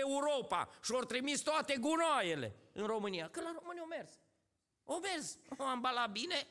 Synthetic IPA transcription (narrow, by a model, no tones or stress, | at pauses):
euɾo̞pa̰ʃio̞rt̪ɾimist̪oat̪e̞ɡunajele̞̰ɨnro̞mɨnijakəlaɾo̞mɨniomerz̥ | ome̞rzoambalabine̞